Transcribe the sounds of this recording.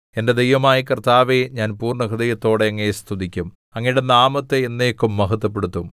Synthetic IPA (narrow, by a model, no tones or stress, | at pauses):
e̞nde̞d̪ejʋɐmaːjikɐrt̪aːʋeɲaːnpuːrɳɐkɐd̪ɐjɐt̪ːo̞ːɽe̞ɐŋːɐest̪ʰud̪ikʲːum | ɐŋːɐniɽe̞naːmɐt̪ːeːnːeːkːumːɐɦɐt̪ːɐp̬ːe̞ɽut̪ːum